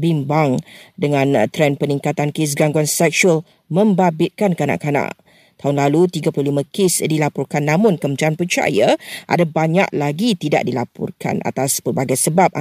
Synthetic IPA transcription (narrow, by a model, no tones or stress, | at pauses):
bimbaŋdəŋãnt̪ɾɛnpəniŋkat̪ankɪs̬ɡaŋɡuansɛk̚ʃuəl | mə̃mbabɪt̪̚kankanã̰ʔkanã̰ʔ | t̪aɦʊnlalut̪iɡaplulimãkesdilapɔrkanːãmʊnkəmtanpərt͡ʃa̰jaʔa̰dabaɲa̰ʔ̚laɡit̪ida̰ʔdilapɔ̰rkʰa̰na̰t̪aspərbaɡajsəbap̚